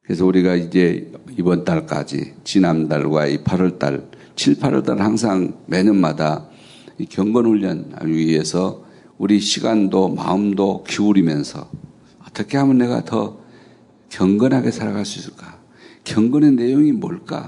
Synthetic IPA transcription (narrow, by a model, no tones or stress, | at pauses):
kɯɾes̬ʰʌuɾiɡaid͡ʑe̞ibʌnt͈aɭk͈a̰d͡ʑḭt͡ɕinamda̰ɭɡwa̰ipʰaɾʌɭt͈a̰ɭ | t͡ɕʰiɭpʰaɾʌɭt͈aɾhaŋs̬ʰaŋmenɯnmada | ikjʌŋɡʌnhuʎːʌn̰ie̞sʰʌ | uɾiɕʰiɡandoma̰ɯmdokiuɾimjʌnsʰʌ̰ | ʌt͈ʌkʰe̞hamɯnːe̞ɡa̰tʌ | kjʌŋɡʌnɦaɡe̞sʰaɾaɣaɭs͈uis͈ɯ̥ɭk͈a | kjʌŋɡʌnenːe̞joŋimoɭk͈a̰